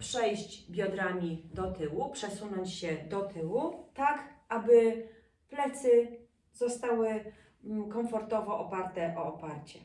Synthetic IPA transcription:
pʂɛjɕd͡ʑbʲjɔd̪ɾamʲid̪ɔt̪ɘwupʂɛsunɔɲt͡ɕɕɛd̪ɔt̪ʰɘwut̪akʔabɘ | plɛt̪sɘ | zɔst̪awɘ | kɔɱfɔɾt̪ɔvɔʔɔpaɾt̪ɛʔɔɔpaɾt͡ɕɛ

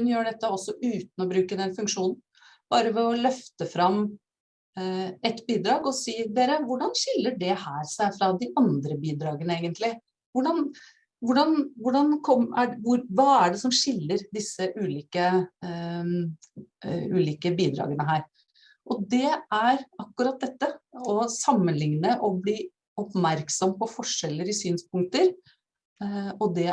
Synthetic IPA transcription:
hʉnjøːɖɛt̪ːəɔsːɔʔʉːt̪n̩ɔbɾʉːkəd̪ɛnfʉŋkʂuːnn̩ | b̥ɑːɾəʋɛɔlœft̪əfɾɑmː | ɛt̪biːd̪ɾɑːɡɔsiːd̪eːɾəʋʊɖɑnʂɪlːəɖɛhæːɾsæɪfɾɑd̪ɪʔɑnd̪ɾəbiːd̪ɾɑːɡənəeːɡənt̪lɪ | ʋʊɖɑn | ʋʊɖɑnʋʊɖɑnkʰɔmæʋʊɾʋɑːæɖɛsɔmʂɪlːəɾd̪ɪsːəʔʉːliːkə | ʉ̰ːliːkəbiːd̪ɾɑ̰ːɡənəɦæːɾ | ʔɔd̪ɛæɾɑkːʉɾɑt̪̚d̪ɛt̪ːəɔsɑmːənlɪŋnəʔɔbliː | ɔpmæɾksɔmpɔfɔʂɛlːəɾɪsyːnspʊŋkt̪əɾ | ɔd̪ɛ

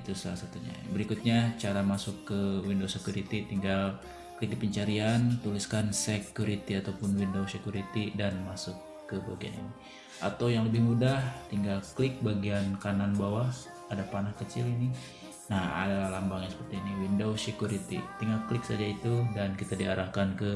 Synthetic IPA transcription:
it̪usa̰lasat̪uɲa̰bəɾikʊt̪̚ɲat͡ʃaɾamasʊkːəwindosekjuɾit̪it̪iŋɡal | kəlɪk̚dipəɲt͡ʃaɾiant̪uliskansekjuɾit̪iat̪awpʊnwindowsekuɾit̪idanmasʊkːəba̰ɡia̰nḭni | ʔa̰t̪awjaŋləbɪhmudaht̪iŋɡalklɪk̚baɡiankananbawa | adapanahkət͡ʃɪlini | naha̰dalahlambaŋjãŋsə̥pərt̪iːniwindowsekjuɾit̪ḭt̪iŋɡalklɪksad͡ʒait̪udankit̪adiaɾahkankə

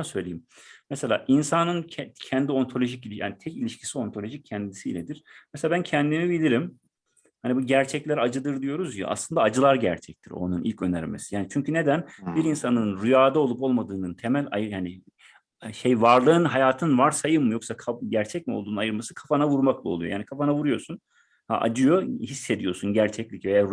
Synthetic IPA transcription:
asø̞jlʲeimmɛselʲa̰ːʔinsanɯnʰɛcʰɛnd̪io̞nt̪ʰo̞lʲo̞ʒicilʲija̰ːnit̪ʰɛcilʲiʃcʰi̥sio̞nt̪ʰo̞lʲo̞ʒic̚ʰɛnd̪isiilʲɛd̪iɾ̥mɛselʲabæncʰɛnd̪imibilʲiɾim | hanibuɟæɾt͡ʃʰɛclʲæɾad͡ʒɯd̪ɯɾd̪ijo̞ɾuzja̰ʔa̰slˠɯnd̪aːd͡ʒɯlˠaɾɟæ̰ɾt͡ʃʰɛc̚t̪ʰiɾo̰nunʔḭlʲcʰø̞nɛ̰ɾmḛsi̥jaːnit͡ʃʰyɲcʰyne̞d̪ænbiɾinsanɯnɾujaːd̪ao̞lˠupo̞lˠmad̪ɯːnɯnt̪ʰe̞mælʲajɯhani | ʃejvaɾlˠɯːnɦajaːt̪ʰɯnvaɾsajɯmmːɯjo̞ksakʰaɟæɾt͡ʃʰɛc̚mio̞̰lˠd̪uːnajɯɾmasɯkʰafanavuɾmaklˠaolˠujo̰jaːnikʰafanavuɾujo̞sun | ha̰ʔa̰d͡ʒɯjo̞hisːe̞d̪ijo̞sunɟæɾt͡ʃʰɛclʲicve̞ja

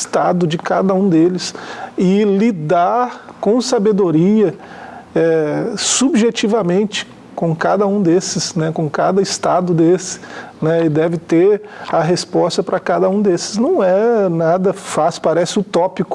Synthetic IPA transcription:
st̪ad̪ʊd͡ʒɪka̰d̪ɐũd̪elɪsɪlid̪aɾkõsabed̪oɾiɐ | ɛsubʒet͡ʃivɐmẽnt͡ʃɪ̥ | kõkad̪ɐũd̪esɪsnɛkõkad̪ɐɪst̪ad̪ʊd̪esɪ̥nɛɪd̪ɛvɪt̪eɾɐɦespɔst̪ɐpɾʔɐkad̪ɐũd̪esɪ̥znɐ̃w̃ɛnad̪ɐfaspaɾɛsɪʊt̪ɔpikʊ̥

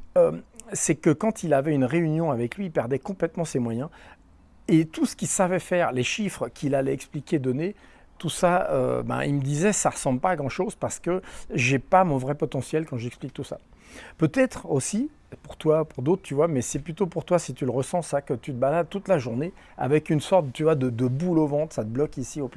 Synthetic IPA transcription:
øsɛkəkɑ̃t̪ilavɛynʁeynjɔ̃avɛklɥipɛʁd̪ɛkɔ̃plɛt̪mɑ̃semwajɛ̃ | et̪usə̥kʲisavɛfɛʁleʃifχəkʲʰilalɛɛksplikʲed̪ɔne | t̪usaø̰bã̰ḭlməd̪izɛsaʁəsɑ̃bləpaːɡʁɑ̃ʃozpaʁsə̥kəʒɛpamɔ̃vʁɛpɔt̪ɑ̃sjɛlkɑ̃ʒɛksplik̚t̪usa̰ | pøt̪ɛt̪χosi | puʁt̪wapuʁd̪ot̪χət̪yvwamɛsɛplyt̪opuʁt̪wasit̪yləʁəsɑ̃sakət̪yt̪əbalad̪̚t̪ut̪laʒuʁne | a̰vɛkynsɔʁt̪̚t̪yvwad̪əd̪əbulovɑ̃t̪sat̪əblɔkisiop

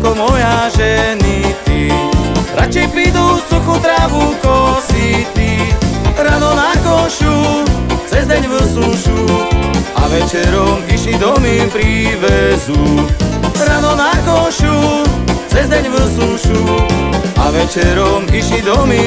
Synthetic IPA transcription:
kɔmɔjaʒɛnit̪i | ɾat͡ʃɛjpɾiːd̪ufsuxut̪ɾaːʋukɔsit̪i | ɾaːnɔnaɔʃut͡sɛzd̪ɛɲʋəsuʃ | a̰ʋɛt͡ʃɛɾɔmiʃlid̪ɔmipɾiːʋɛzu | ɾaːnɔnakɔʃut͡sɛzd̪ɛɲʋəsuʃu | aʋɛt͡ʃɛɾɔmiʃid̪ɔmi

